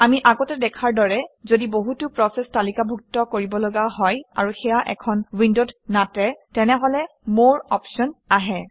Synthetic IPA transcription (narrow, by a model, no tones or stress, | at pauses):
amiʔaɡɔtɛdɛkʰaɹdɔɹɛzodiboɦutʊpɹɔsɛstalikabʱuk̚tɔkoɹibɔlɔɡaɦɔja̰ɹuxɛjaʔɛ̰kʰɔnwindotnatɛtɛnɛɦɔlɛ | moɹɔ̰pʃɔnaɦɛ